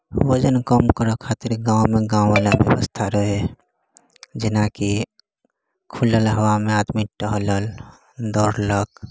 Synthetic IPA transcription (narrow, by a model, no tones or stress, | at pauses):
wəd͡ʒənkəmkəɾəkʰat̪iɾɡãũmeɡãũʋalabjə̰ʋə̰st̪ʰaɾəɦe | d͡ʒɪnaki | kʰuləlɦəwamẽat̪miʈəɦələl | d̪ɔːɾlək